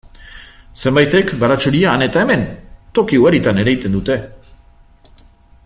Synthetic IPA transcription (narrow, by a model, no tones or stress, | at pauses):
se̞mbajt̪e̞kɡaɾat͡ʃuɾiaːne̞t̪ae̞me̞nt̪o̞kiuaɾit̪ane̞ɾajt̪e̞nd̪ut̪e̞